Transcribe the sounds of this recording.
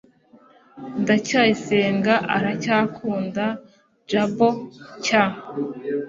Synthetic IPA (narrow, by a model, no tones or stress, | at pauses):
ndacajiseːŋɡaʔaɾacaːkʰuːnda | d͡ʒaboca